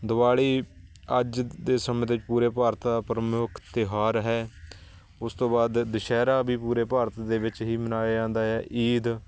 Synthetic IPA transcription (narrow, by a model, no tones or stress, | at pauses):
d̪ʊʋaːɽiːəd͡ʒd̪eːsəmẽːd̪eɪɪt͡ʃpuːɾeːpaːɾt̪d̪aːpəɾəmjʊːkʰt̪ɪɦaːɾɦɛː | ʊst̪õːbaːd̪ːɪʃɛːɾaːbʱiːpuːɾeːpaːɾət̪d̪eːʋɪt͡ʃɦiːmənaːjad͡ʒãːnd̪aːɦɛːʔiːd̪